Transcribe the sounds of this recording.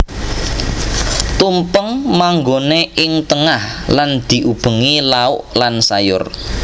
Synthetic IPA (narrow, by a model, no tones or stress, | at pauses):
t̪umpəŋmaŋɡoneʔɪŋt̪əŋahland̪̥i̤ʔub̥ə̤ŋilaʊʔlansajʊ̰r